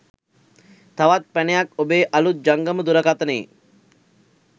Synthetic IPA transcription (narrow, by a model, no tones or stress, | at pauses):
t̪aʋat̪̚pænejakobeːʔalut̪̚d͡ʒaŋɡəməd̪uɾəkat̪ənḛː